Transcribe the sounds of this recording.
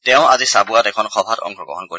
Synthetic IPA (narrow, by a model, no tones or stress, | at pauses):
tɛʊ̃azisabuatɛkʰɔnxʰɔbʱatɔ̰ŋpʰɔɡɔ̰ɦɔnkoɹi